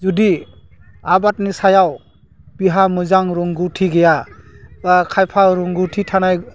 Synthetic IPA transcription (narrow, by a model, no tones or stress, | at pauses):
zudi | abat̚nisajaw | b̥iɦamuzaŋɾɔŋɡutʰiɡejabakʰajpʰaɾuŋɡutʰitʰanaj